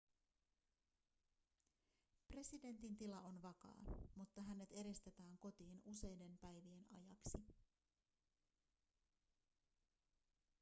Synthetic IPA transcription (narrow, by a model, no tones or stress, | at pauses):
pre̞side̞nt̪int̪ilɑʔo̞nʋɑkɑ̰ːmut̪ːɑɦæne̞t̪e̞ɾest̪e̞t̪æːŋko̞t̪iːnuse̞jde̞mpæjʋie̞nɑ̰jɑksi